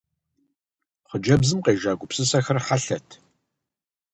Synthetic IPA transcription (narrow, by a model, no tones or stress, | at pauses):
χʷəd͡ʒɐbzɨmqeːʒaːɡʷʊpsɨsɐxɐrħaɬɐtʰ